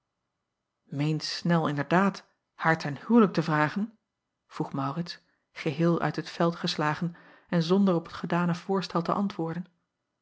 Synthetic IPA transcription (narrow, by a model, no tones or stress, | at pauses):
mejntsnɛlˠɪndəɹdaːt | haːɹtʰɛnhywlək̚təvraːχən | v̥ruχmɑwrɪts | χəɦɪːlˠœ̰ɥtɦətfɛlˠtχəslaːχən | ɛnzɔndərɔpətχədaːnəv̥ʊːɹstɛlˠtəʔɑntʋʊːɹdən